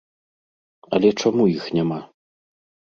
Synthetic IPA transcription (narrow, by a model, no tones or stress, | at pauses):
ɐ̰lʲɛt͡ʂamujixnʲama